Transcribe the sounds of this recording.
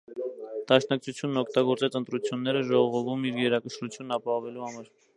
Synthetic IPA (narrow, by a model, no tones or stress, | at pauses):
d̪̥ɑʃn̪ɑk̚t͡sʰut͡sʰjunːɔkʰt̪ɑɡɔɾt͡sɛt͡sənt̪ɾut͡sʰjunːɛɾəʒɔʁɔʁɔvumiɾɡɛɾɑkəʃɾut͡sʰjunːɑpɑhɔvɛluhɑmɑɾ